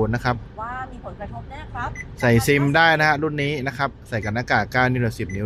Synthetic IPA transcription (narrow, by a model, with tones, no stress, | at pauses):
nːa˦˥kʰa˦˥p̚miː˧pʰo˩˦nka˧t̪ʰo˦˥a˥˩˦sa˨˩jsi˧mdaː˥˩jna˦˥ha˦˥ɾu˥˩nːiː˦˥na˦˥kʰa˦˥p̚sa˨˩jka˧˩nːaː˧kaː˨˩kaː˥˩wniː˦˥˩dɛː˨˩si˨˩p̚ni˦˥